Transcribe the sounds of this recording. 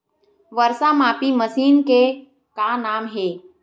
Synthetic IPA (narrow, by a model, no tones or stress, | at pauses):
ʋəɾsamaːpiməsiːnke | kanaːmɦeː